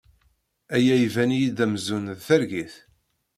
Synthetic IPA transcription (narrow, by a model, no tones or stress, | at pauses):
æjæjvænijiðæmzunðθæɾɡiθ